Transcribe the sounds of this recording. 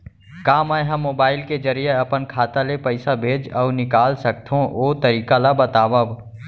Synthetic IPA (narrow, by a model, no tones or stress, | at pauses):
kaːmajɦəmːoːbaːɪlked͡ʒəɾijeɐpənkʰaːt̪alepəɪsabʱeːd͡ʒɔːnɪkaːlsək̚t̪ʰɦõʔoːt̪əɾiːkalabət̪aːbəb